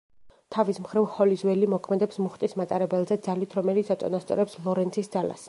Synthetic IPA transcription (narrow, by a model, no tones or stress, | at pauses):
t̪ʰavismχɾivχɔlizwɛlimɔkʰmɛd̪ɛpsmuχt̪ʼismat̪ʼaɾɛbɛlˠzɛd̪zalit̪ʰɾɔmɛlit̪sat̪sʼɔ̰nast̪sʼɔ̰ɾɛpslˠɔɾɛnt̪sʰisd̪zala̰s